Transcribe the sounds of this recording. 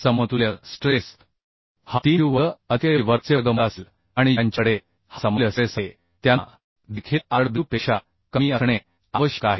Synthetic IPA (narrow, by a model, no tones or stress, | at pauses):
səmət̪uljəsʈɾes | hat̪iːuʋəət̪jejiʋəɾt͡sjəɡəməasl | aɽ̃ijaɲt͡ɕəɽe | hasəməljəsese | t̪ja | d̪ikʰiaɽb̪upeɕa | kəmiːəɳ̃e | aʋəɕjəkaɦi